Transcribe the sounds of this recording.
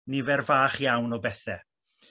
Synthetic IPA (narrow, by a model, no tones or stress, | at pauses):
nivɛrvaːχjawnɔbɛθɛ